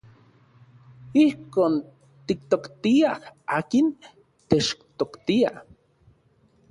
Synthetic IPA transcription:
ihkoːn | t̪ik̚t̪okt̪iahaːkin | t̪et͡ʃt̪okt̪ia̰

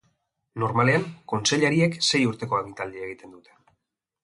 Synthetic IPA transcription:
no̞ɾmale̞aŋko̞nse̞ʎaɾiekse̞juɾt̪e̞ko̞aβint̪ald̪ieɣ̞it̪e̞nd̪ut̪e̥

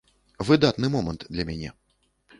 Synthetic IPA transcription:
vɨd̪at̪nɨmɔmɐnt̪d̪lʲɐmʲanʲɛ

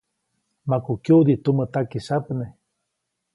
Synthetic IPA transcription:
makukjud̪it̪umət̪akisapne

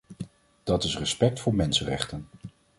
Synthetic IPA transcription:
d̥ɑtɪsrəspɛk̚tfʊːɹmɛnsənrɛ̰χtən

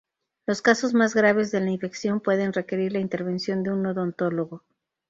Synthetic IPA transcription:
lo̞skaso̞zmazɣɾaβ̞e̞zðe̞laiɱfe̞ksjo̞mpwe̞ðe̞nre̞ke̞ɾiɾlaint̪e̞ɾβe̞nsjo̞nd̪e̞unːoðo̞nt̪o̞lo̞ɣo̞

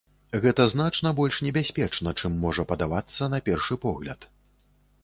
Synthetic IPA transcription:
ɣɛt̪ɐznat͡ʂnɐbɔlʲʂnʲɛbʲasʲpʲɛt͡ʂnɐt͡ʂɨmːɔʐɐpɐd̪avat̪sːɐn̪ɐpʲɛrʂɨpɔɣlʲɐ̰t̪

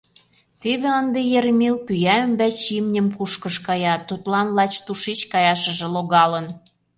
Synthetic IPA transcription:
t̪eβĕənd̪ejeɾmilpyjæø̆mbæt͡ɕimnʲə̆mpuʃkə̆ʃkɑjɑt̪ut̪lɑnlɑt͡ɕt̪uʃit͡ɕkɑjɑʃə̆ʒĕloɣɑlə̆n

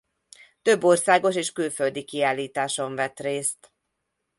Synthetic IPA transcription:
t̪ø̞bːo̞rsaːɡo̞ʃeːʃkylføld̪ikiaːlːiːt̪aːʃo̞ɱvɛt̪reːst̪

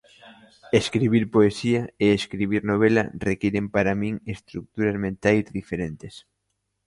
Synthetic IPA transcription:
eskɾiβiɾpoesiɐeeskɾiβ̞iɾnoβ̞elɐ̰rekiɾempaɾamĩŋest̪ɾuk̚t̪uɾazmẽnt̪ajzðifeɾent̪es

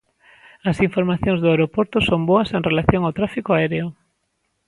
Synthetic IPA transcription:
ɐsiɱfoɾmaθjõŋzðʊaeɾopoɾt̪ʊsomboɐseŋrelaθjoŋawt̪ɾafikoaɛɾeʊ

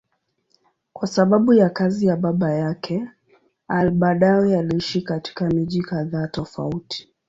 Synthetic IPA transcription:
kwasaɓaɓujakazijaɓaɓajakʰɛ | alɓaɗaɛjaliiʃikati̥kamiʄikaðaːtɔfa̰uti̥

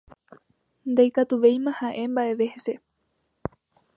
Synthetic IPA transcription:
nd̪ajkat̪uʋe̞jmãhãʔe̞mbaʔe̞ʋe̞hese̞

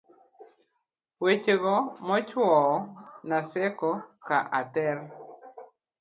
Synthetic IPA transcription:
wet͡ʃeɡɔmɔt͡ʃwɔnasɛkɔkaʔat̪ɛr

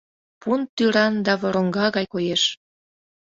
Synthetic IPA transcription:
punt̪yɾɑnd̪ɑβoɾoŋɡɑɣɑjkojeʃ

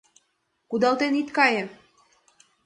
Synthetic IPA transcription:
kud̪ɑlt̪enit̪kɑjĕ

